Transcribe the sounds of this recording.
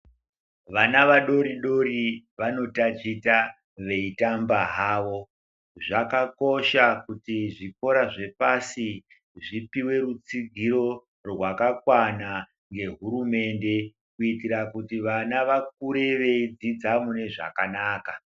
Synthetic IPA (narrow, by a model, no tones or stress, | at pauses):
ʋanaʋaɗo̞ɾiɗo̞ɾiʋano̞tat͡ʃita | ʋe̞itambaɦaːʋo̞ | ʐakako̞ʃakutiʐiko̞ɾaʐe̞pasi | ʐipiwe̞ɾut͡siɡʱiɾo̞ | rwakakwana | ŋɡe̞ɦuɾume̞nde̞ | kuitiɾakutiʋanaʋak̚uɾe̞ʋe̞id͡zid͡zamune̞ʐa̰kanaːka